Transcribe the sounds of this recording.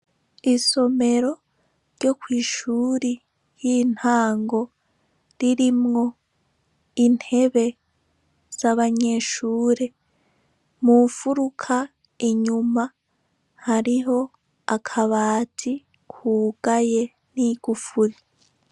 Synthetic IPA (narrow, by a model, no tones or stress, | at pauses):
iso̞me̞ɾo̞ | ɾɟo̞kwiːʃuːɾi | jiːn̥haːŋɡo̞ | ɾiɾimŋo̞ | in̥he̞βe̞ | z̥aβaɲe̞ʃuːɾe̞ | mufuɾukʰa | iɲuma | haɾiɦo̞ | akʰaβaːtʰi | kʰuːɡ̥aje | niɡ̥ufuɾi